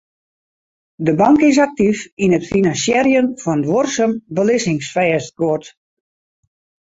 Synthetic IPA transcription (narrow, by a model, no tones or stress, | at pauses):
dəbɑŋkɪs̬ak̚tifinətfinansjɛrjəmfɔnəʋorsəmbəlɪsɪŋsfɛːsɡoət